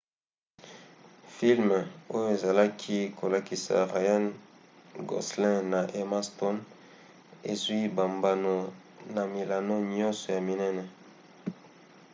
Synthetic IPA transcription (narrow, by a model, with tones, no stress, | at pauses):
fi˦lm˨o˦jo˦e˨za˨la˦kʰi˦kʰo˨la˨ki˨sa̰˨ʁa˨ja˦n | ɡo̰˨slɛ̃˦na˨ʔe˨ma˦stɔ˦n | e˨zwi˦ba˨mba˨no˨ | na˨mi˨la˨no˦ɲɔ̃˦nsɔ˨ja˨mi˨nɛ˦nɛ˨